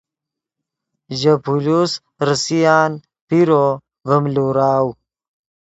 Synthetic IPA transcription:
ʑɐpulus | ɾəsijaːn | piɾo | vəmluɾaːw

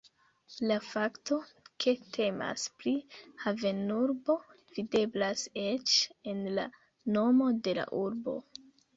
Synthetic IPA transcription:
lafakto̞kʰe̞tʰe̞ma̰spɾihave̞nuɾbo̞ | v̥ide̞blase̞t͡ʃe̞nla̰ | no̞mo̞de̞la̰ʔuɾbo̞̰

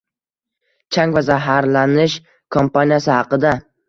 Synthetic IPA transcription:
t͡ʃʰaŋvazaɦaɾlanɪʃ | kʰompanijasɪhɑqɨd̪a

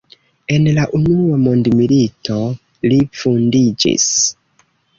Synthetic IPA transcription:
e̞nlaʔunuamondmilito̞ | lifundid͡ʒḭs

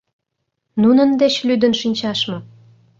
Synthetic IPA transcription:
nunənd̪et͡ɕlyd̪ənʃinʲt͡ɕɑʃmɤ̆

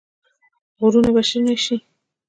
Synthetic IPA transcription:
ɣuɾunabaʃiɾnaʃi

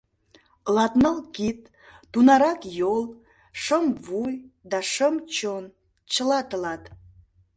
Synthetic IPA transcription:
lɑt̪nəlkit̪̚ː | unɑɾɑkjolˠ | ʂəmvujd̪ɑʂəmt͡ʃon | t͡ʃəlɑt̪əlɑt̪

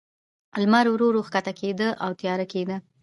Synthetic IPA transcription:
almaɾwɾoɾoxkat̪akʰed̪əʔawt̪jɑɾaked̪ə

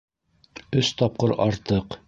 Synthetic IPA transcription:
ɵst̪ɑp̚qɤɾɑɾt̪ɤq

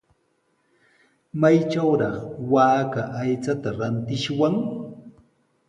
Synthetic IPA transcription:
majt͡ʃawɾɑχwaːkaʔajt͡sat̪aɾant̪ɪʃwaŋ

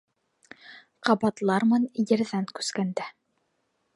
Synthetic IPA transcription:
qɑbɑt̪lˠɑɾmɤnjɘ̆ɾðæŋkʉ̥skænd̪æ

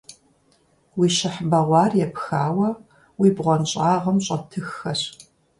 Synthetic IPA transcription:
wiːʃɪħbɐʁʷɑːrjɛpxaːwɐ | wiːbʁʷɔnɕʼaːʁɐmɕʼɐtʰɨxːɐɕ

